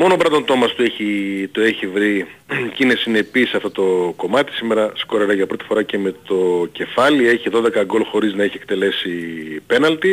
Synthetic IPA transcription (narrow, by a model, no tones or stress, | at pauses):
mo̞no̞bɾɐt̪ont̪o̞mɐst̪ueçit̪ueçivɾicinesine̞piseɐft̪ot̪o̞ko̞mɐt̪i̥sime̞ɾɐsko̞ɾeɾɐʝɐpɾo̞t̪ifo̞ɾɐce̞me̞t̪o̞ce̞fɐlie̞çiðo̞ðe̞kɐɡo̞lxo̞ɾiznɐeçiek̚t̪e̞le̞sipe̞nɐlt̪i